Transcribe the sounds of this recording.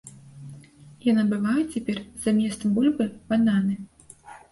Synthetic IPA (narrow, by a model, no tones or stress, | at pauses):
janabɨvajut͡sʲɛpʲɛrzamʲɛst̪ɐmbulʲbɨbananɨ